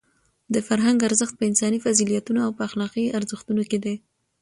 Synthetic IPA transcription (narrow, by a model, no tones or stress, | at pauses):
d̪əfaɾɦaŋɡaɾzəxt̪̚pəɪnsɑnifazilijat̪unoawpəaxlɑqiaɾzəxt̪unoked̪e